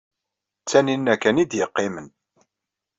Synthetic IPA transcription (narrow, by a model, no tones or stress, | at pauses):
t͡sːæninːækænid̪jəqːɪmən